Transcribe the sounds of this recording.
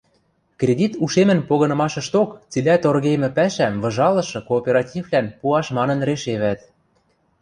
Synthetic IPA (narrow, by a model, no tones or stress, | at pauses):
krʲedʲit̪uʃemɘ̆npoɣɤ̆nɤ̆mɑʃɤ̆ʃt̪okt͡silʲæt̪orɣemɘ̆pæʃæmvɤ̆ʒɑlɤ̆ʃɤ̆koːpʲeɾɑtʲivlænpuɑʃmɑnɤ̆nreʃeβæt̪